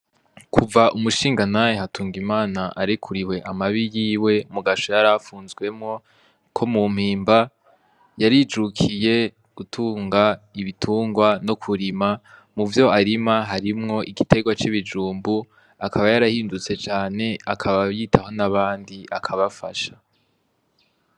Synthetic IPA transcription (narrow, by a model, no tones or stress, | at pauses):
kʰuvaʔumuʃiːŋɡanajehatʰuːŋɡimaːnaʔaɾikʰuɾiwe̞ʔamaβijiːwe̞muɡaʃo̞jaɾafuːnzɡwe̞mŋo̞ | kʰo̞mum̥hiːmba | jaɾid͡ʒukʰije̞ | ɡ̥utʰuːŋɡaiβitʰuːŋɡwano̞kʰuɾimamuvjo̞aɾimaɦaɾimŋo̞ʔiɡite̞ɡwat͡ʃiβid͡ʒuːmbu | akʰaβajaɾahiːndut͡se̞t͡ʃaːne̞akʰaβajiːtʰaho̞naβaːndiʔakʰaβafaʃa